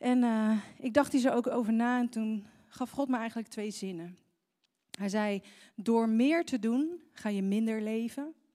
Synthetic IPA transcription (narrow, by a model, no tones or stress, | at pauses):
ʔɛnɪɡ̚dɑχtizowowkowvəɹnaːɛntun | χɑfχɔtməɛjχənlək̚tʋejzɪnə | ɦɛjzɛjdʊːɹmɪːɹtədunχaːjəmɪndəɹlejvə